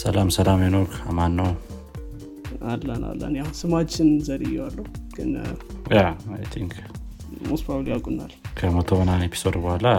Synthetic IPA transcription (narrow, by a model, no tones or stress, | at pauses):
səlamsəlamjenokamanːəw | alːəna̰lːə̰njahunsɨmat͡ʃːɪnzəɾɨjːɛwalːəhuɡ̥ɨnjaajt̪ʰiŋk | muspawlijakʼunːalkʰəmət̪ʰoβənanepʰi̥sod̪bohala